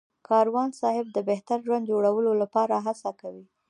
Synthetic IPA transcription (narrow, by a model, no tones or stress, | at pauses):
kʰɑɾwɑnsɑɦɪb̚d̪əbeht̪aɾʒwand̪d͡ʒoɽawəlolapɑɾaɦasakawi